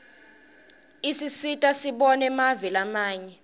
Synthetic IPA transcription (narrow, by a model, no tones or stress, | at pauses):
isisitʼasiɓɔnɛmavilamaːɲɛ